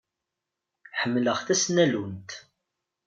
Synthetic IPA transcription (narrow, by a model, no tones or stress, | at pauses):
ħəmːləʁθæsnælunt̪